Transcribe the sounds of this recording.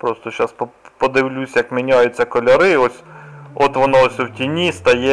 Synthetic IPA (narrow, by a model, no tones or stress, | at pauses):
pɾost̪ɔʃɑsp | pɔd̪ɪʋlʲusʲjɐkmʲinʲɑjʊt͡sʲːɐkɔlʲɐɾɪɔsʲɔt̪ʋɔnɔsʲwtʲinʲist̪ɐjɛ